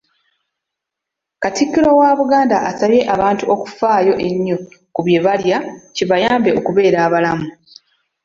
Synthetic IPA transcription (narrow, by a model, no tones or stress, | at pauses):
katikːiɾo̞waβuɡaːndaʔasaβje̞ʔaβaːntuoku̥faːjo̞ʔe̞ɲːo̞kuβje̞βaljaciβajaːmbe̞okuβe̞ːɾaːβalamu